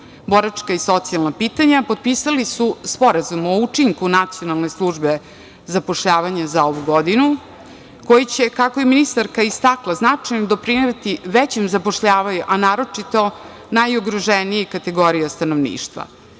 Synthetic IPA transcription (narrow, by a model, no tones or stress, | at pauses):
bo̞ɾat͡ʂkaiso̞t̪sialˠnapiːt̪aɲapo̞d̪̚piːsalisuspo̞ɾazumo̞ut͡ʂiŋkunat̪sio̞nalˠne̞slˠuʒbe | zapo̞ʂʎaːʋaɲazao̞ʋuɡo̞d̪inu | ko̞jit͡ɕekakojeminist̪aɾkaist̪aklˠaznat͡ʂajnod̪o̞pɾineʋat̪iʋet͡ɕemzapo̞ʃʎaːʋaɲuʔanaːɾo̞t͡ʂit̪o̞ | najoɡɾoʒenijikat̪e̞ɡo̞ɾijast̪anoʋnḭːʃt̪ʋa̰